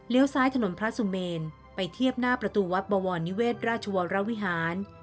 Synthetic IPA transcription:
li˦˥əwsaː˦˥jt̪ʰa˧no˩˦npʰɾa˦˥su˨˧˦meː˧n | pa˧jt̪ʰi˥˩əp̚naː˥˩pɾa˧t̪uː˧wa˦˥t̪̚bɔː˧wɔː˧nːi˦˥weː˥˩t̪̚ɾaː˥˩t̪̚t͡ɕʰa˧wɔ˧ɾa˦˥wi˦˥ɦaː˩˦n

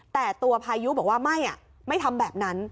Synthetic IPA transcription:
t̪ɛː˨˩t̪u˧ɐpʰaː˧ju˦˥bɔː˨˩˦k̚waː˥˩ma˥˩jʔa̰˨˩ | ma˥˩jt̪ʰa˧mbɛː˨˩p̚na˦˥n

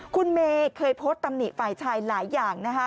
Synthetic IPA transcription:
kʰu˧nmeː˧kʰːɤː˧jpʰo˦˥t̪ːa˧mni˨˩faː˨˩jt͡ɕʰaː˧jlaː˩˦jːaː˨˩ŋna˦˥kʰa˦˥

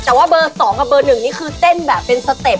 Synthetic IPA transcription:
t̪ɛː˨˩waː˥˩bɤː˧sɔː˩˦ŋʔa˧˩bɤː˧nɯ˨˩ŋniː˥˩kʰɯː˧t̪e˥˩nbɛː˨˩pːe˧nsa˧t̪e˨˩p̚

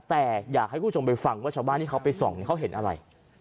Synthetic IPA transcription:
t̪ɛː˨˩jaː˨˩k̚ha˥˩jkʰuː˥˩o˧mpa˧jfa˧ŋwaː˥˩t͡ɕʰaː˧wbaː˥˩nt̪ʰi˥˩kʰwpa˧jsɔ˨˩ŋni˨˩kʰa˦˥wɦe˩˦nʔa˧ɾa̰˧j

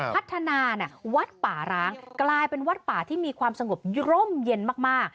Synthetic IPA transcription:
pʰa˦˥t̪ʰːa˧naː˧na˨˥˩wa˦˥t̪̚paː˩˦ɾaː˦˥ŋklaː˧jpe˧nwa˦˥t̪̚paː˨˩˦t̪ʰiː˥˩miː˧kʰwaː˧msa˧ŋo˨˩p̚ɾo˥˩mje˧nmaː˥˩k̚maː˥˩k̚

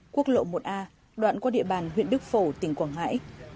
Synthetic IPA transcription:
ku˦˥ək̚lo̰˧˨mo˨˩t̚ʔaː˧ | ɗwa̰ː˧˨nkɔ˧ɗḭ˧˨əɓaː˨˩nɦwḭ˧˨ənɗɨ˦˥k̚fo˧˩t̪ï˨˩ŋ̟kwaː˨˧˩ŋɦa̰ː˧˥j

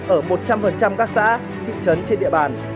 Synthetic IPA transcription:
ʔəː˧˩mo˨˩t̚t͡ɕa˧mfə˨˩nt͡ɕa˧mkaː˦˥k̚sa̰ː˧˥ | t̪ʰḭ˧˨t͡ɕə˨˦nt͡ɕe˧nɗḭ˧əɓaː˨˩n

